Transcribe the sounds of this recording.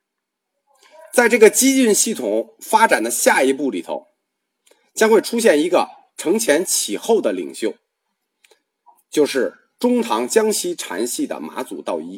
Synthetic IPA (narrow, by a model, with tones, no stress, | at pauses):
t͡sa˥˧ɪʈ͡ʂɤ˥˩ɡə˩t͡ɕi˥y˥˧nɕi˥˩t̪ʰʊ˨˩˦ŋfa˥ʈ͡ʂa˨˩nd̪ə˦ɕja˥˩i˧˥pu˥˩li˨˩t̪ʰo̰˧˥ʊ | t͡ɕjɑ˥ŋxwe˥˩ɪʈ͡ʂʰu˥ɕ̬jɛ˥˩ni˧˥ɡə̰˧ | ʈ͡ʂʰɤ˧˥ŋt͡ɕʰjɛ˧˥nt͡ɕʰi˨˩xo˥˩ʊd̪ə˩lḭ˨˩ŋɕjo˥˩ʊ | t͡ɕjo˥˧ʊʂɻ̩˥˩ | ʈ͡ʂʊ˥ŋt̪ʰɑ˧˥ŋt͡ɕjɑ˥ŋɕʰi˥ʈ͡ʂʰa̰˧˥nɕi˥˩d̪ə̰˩ma̰˧˥t͡sṵ˨˩t̪ɑ˥˩ʊi˥